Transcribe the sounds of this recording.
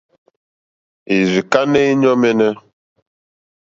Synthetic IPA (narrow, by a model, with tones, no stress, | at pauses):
i˨zi˨ka˦ne˦i˦ɲɔ˦mɛ˦nɛ˦